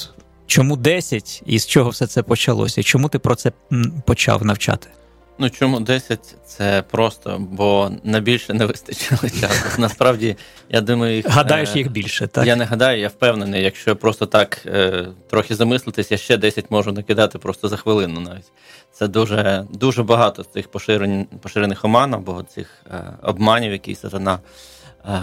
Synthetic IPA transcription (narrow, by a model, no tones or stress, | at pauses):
t͡ʃɔmud̪ɛsʲɐtʲḭst͡ʃɔɦɔwsɛt̪sɛpɔt͡ʃɐlˠɔ̰sʲɐit͡ʃɔmut̪ɪpɾɔt̪sɛ | pɔt͡ʃɑ̰wnɐwt͡ʃɑ̰t̪ɪ̥ | nut͡ʃɔmud̪ɛsʲɐtʲt̪sɛpɾɔst̪ɔ̰bɔnɐjbʲilʲʃɛnɛʋɪst̪ɐt͡ʃɪlˠɪt͡ʃʲasnɐspɾɑwdʲijʔa̰d̪umɐjʊjixɦɐd̪ɑjʊʃjixbʲilʲʃɛt̪a̰janɛɦɐd̪ɑjʊjawpɛwnenɪjjɐkʃt͡ʃɔpɾɔst̪ɔt̪ɑk | t̪ɾɔxʲɪzɐmɪslˠɪt̪ɪsʲjaʃt͡ʃɛd̪ɛsʲɐtʲmɔʒʊnɐkɪd̪ɑt̪ɪpɾɔst̪ɔzɐxʋɪlˠɪnʊnɑʋʲitʲ | t̪sɛd̪uʒɛd̪uʒɛbɐɦɑt̪ɔɪxpɔʃɪɾenʲpɔʃɪɾenɪxɔmɑnɐɐbɔ̰t̪sʲɪ̰xɔ̰bmɑnʲiwjɐkʲɪ̰jsɐt̪ɐnɑ